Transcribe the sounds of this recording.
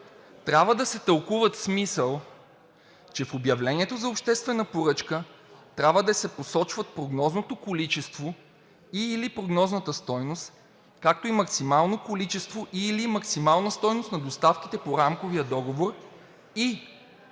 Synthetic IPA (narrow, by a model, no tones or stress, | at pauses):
t̪ɾʲabvəd̪ɐsɛt̪əlˠkuvət̪smisəlˠ | t͡ʃɛfobjɐvlɛniɛt̪ozɐopʃt̪ɛst̪vɛnəpoɾɤt͡ʃkə | t̪ɾʲabvəd̪ɐsɛposɔt͡ʃvət̪̚pɾoɡnɔznot̪okolit͡ʃɛst̪vo | ilipɾoɡnɔznət̪əst̪ɔjnost̪ | kak̚t̪oimɐksimalˠnokolit͡ʃɛst̪voʔilimɐksimalˠnəst̪ɔjnosnɐd̪ost̪afk̟i̥t̪ɛpoɾamkoviəd̪ɔɡovoɾ | i